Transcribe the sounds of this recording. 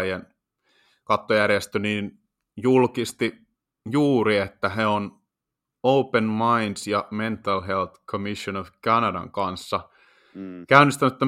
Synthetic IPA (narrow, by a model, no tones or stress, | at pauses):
jen | kɑt̪ːojærjest̪øniːn | julkist̪i | juːɾiet̪ːæɦeon | oupenmɑindsjɑment̪ːɑlɦelt̪kʰomisjonofkɑnɑdɑ̰ŋkɑnsːɑ | kæynist̪ænyet̪ːæ